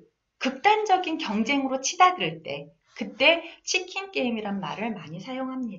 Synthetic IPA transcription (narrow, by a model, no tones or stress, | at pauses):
kɯk̚t͈and͡ʑʌɡinkjʌŋd͡ʑe̞ŋɯɾot͡ɕʰidadɯɯɭt͈e̞̰ | kɯt͈e̞t͡ɕʰikʰink͈eimiɾanma̰ɾɯɭmaɲisʰajoŋɦamɲida